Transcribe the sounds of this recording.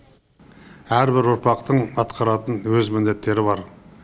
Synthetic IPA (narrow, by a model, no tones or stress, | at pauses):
æɾbɪɾʊɾpɑqt̪əɴɑt̪qʰɑɾɑt̪ənwɵzmɪnd̪e̞t̪ːe̞ɾɪbɑɾ